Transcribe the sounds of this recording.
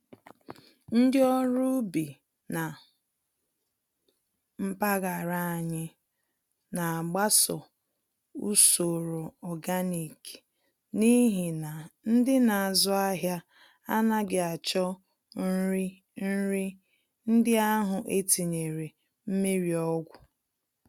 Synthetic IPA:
n̩˦dɪ˦ɔ˦ɾu˦bi˨ | na˨ | m̩˦pa˦ɣa˨ɾa˦a˨ɲɪ˦ | na˨a˨ɡ͡ba˦sɔ˨ | ṵ˦so˨ɾo˨ɔ˨ɡa˦ni˨ki̥˨ | ni˦ɦi˨na˨n̩˦dɪ˦na˨a˨zʊ˦a˦ɦja˦ | a˦na˦ɡɪ˨a˨t͡ʃɔ˦ | n̩˦ɾi˦ | n̩˦ɾi˦ | n̩˦dɪ˦a˦ɦʊ˨ʔe˦ti˨ɲe˨ɾe˨ | m̩˦me˦ɾi˨ɔ˦ɡʷʊ˨

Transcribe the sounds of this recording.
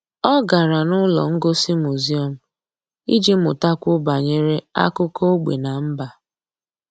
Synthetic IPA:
ɔ˦ɡa˨ɾa˨nʊ˦lɔ̰˨ŋ̩˦ɡo˦si˦mu˨zi˦ɔ˨m̩˨ | i˦d͡ʒi˦mʊ˨ta˦kʷʊ˦ba˨ɲe˦ɾe˦a̰˦kʊ˦ko˦o˦ɡ͡bḛ˨na˨m̩˦ba˨

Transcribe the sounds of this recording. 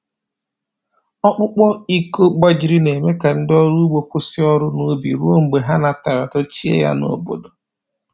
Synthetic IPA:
ɔ˦k͡pʊ˦k͡pɔ˦i˦ko˦k͡pa˦d͡ʒi˨ɾi˦ne˨me˦ka˨n̩˦dɔ˦ɾu˦ɡ͡bo˨kʷʊ˦sɪ˦ɔ˦ɾʊ˦no˨˦bḭ˨ɾu˦o˦ŋ͡m̩˨ɡ͡be˨ɦa˦na˨ta˨ɾa˨tɔ˦t͡ʃi˦ḛ˦ja̰˦no̰˨bo̰˨do˨

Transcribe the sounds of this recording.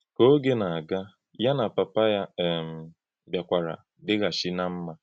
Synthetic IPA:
ko˦ɡe˦na˨a˨ɡa˦ | ja˦na˨pa˨pa˦ja˦˨m̩˨ | bja˨kʷa˨ɾa̰˨ | dɪ˦ɣa˨ʃi˦na˦m̩˦ma˦

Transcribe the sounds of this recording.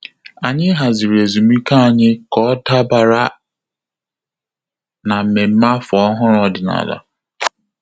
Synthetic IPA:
a˨ɲɪ˦ɦa˨zi˨ɾe˨zu˨mi˦ka˦a˨ɲɪ˦kɔ˦ta˦ba˨ɾa˦ | na˨m̩˨me˨m̩˦ma˦fɔ˨˦ɦʊ˦ɾɔ˨dɪ˨na̰˨la̰˨

